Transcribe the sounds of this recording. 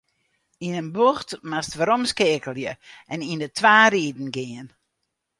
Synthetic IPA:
inənboxtmastʋaɾomskɪːkəlˠjəʔɛnindətʰʋaːɾiːdn̩ɡɪən

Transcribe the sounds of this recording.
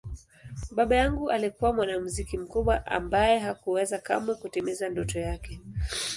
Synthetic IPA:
ɓaɓajaŋɡuʔalikuwamwanamuzikim̩kuɓwaʔa̰mbajɛɦakuwɛzaka̰mɛkutɛmɛzandɔtɔjakɛ

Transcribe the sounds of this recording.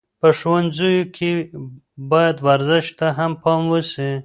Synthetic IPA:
pəʃwanzujokʰe | bɑjad̪waɾzɪʃt̪aɦampʰɑmwəsi

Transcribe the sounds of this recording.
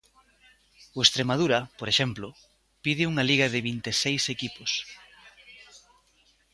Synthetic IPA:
oest̪ɾemað̞uɾɐpoɾeʃɛmplʊ | piðɪuŋɐliɣɐðɪβint̪esejsekipʊs

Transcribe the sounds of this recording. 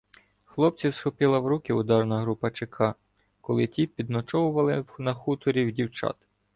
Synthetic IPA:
xlˠɔp̪̚t͡sʲisxɔpʲɪlˠɐwɾukʲɪʊd̪ɑrnɐɦɾupɐt͡ʃekʰɑ | kɔlˠɪtʲipʲid̪nɔt͡ʃɔwʊʋɐlˠɪnɐxut̪ɔɾʲiwdʲiwt͡ʃɑ̰t̪

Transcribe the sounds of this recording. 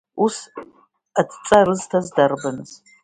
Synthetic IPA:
us | ɐt͡sʼt͡sʼɐrɨztʰɐzdɐrbɐnɨs

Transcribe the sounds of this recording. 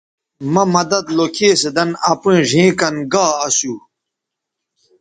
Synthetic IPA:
mɐmɐd̪ɐd̪lokʰeːsed̪ɐnɐpĩʐĩːkɐnɡaːɐsu

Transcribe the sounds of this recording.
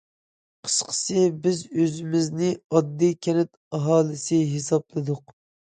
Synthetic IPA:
qʰə̥ʃqʰə̥sɨbɪzøzɪmɪznɪɑd̪ːikʲʰɛnɛt̪ | ɑɦɑːlˠɨsɨɦesɑplˠɨd̪ʊq

